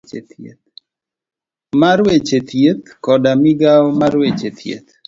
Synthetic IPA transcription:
t͡ʃet̪jḛt̪̚ | maɾwet͡ʃet̪ʰjet̪kɔdamiɡawmaɾwet͡ʃet̪ʰjḛt̪

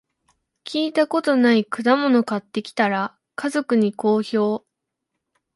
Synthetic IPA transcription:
kʲiːt̪ako̞t̪o̞naikɯ̟d̪amo̞no̞kat̪ːe̞kʲi̥t̪aɾa | kʰazo̞kɯ̟ɲ̟iko̞ːço̞ː

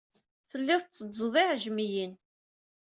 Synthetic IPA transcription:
θəlːɪðˤt͡sːəzˤðˤɪʕʒmijən

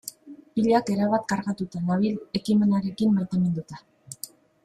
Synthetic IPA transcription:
piʎake̞ɾaβat̪̚kaɾɣat̪ut̪anaβile̞kime̞naɾe̞kimbeɾt̪eme̞nd̪ut̪a

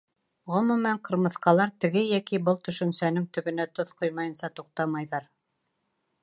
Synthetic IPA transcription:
ʁŏmɵ̆mæɴqɤ̆ɾmɤ̆θqɑlˠɑɾt̪ɘ̆ɡɘjækibɤlˠt̪ɵ̆ʃɵ̆nsænɘŋt̪ɵ̆βɘ̆næt̪oθqojmɑjɤ̆nsɑt̪uq̚t̪ɑmɑjðɑɾ

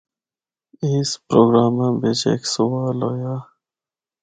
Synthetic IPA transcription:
ispɾoːɡɾaːmãːbet͡ʃḛːksuwaːloːjaː

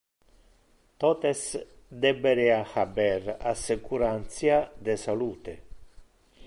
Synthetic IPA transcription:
t̪ot̪es | d̪ebeɾeaxaberasekuɾant̪sjad̪esaluːt̪e

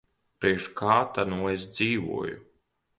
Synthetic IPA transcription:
pɾiɛʃkʰaːt̪anuɔes̬d̪ziːvṵɔjṵ

